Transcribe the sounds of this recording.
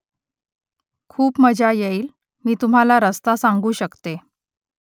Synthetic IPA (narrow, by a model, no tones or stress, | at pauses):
kʰuːpməd͡ʑʱajeiːl | miːt̪um̤alaɾəst̪asaŋɡuːɕəkt̪e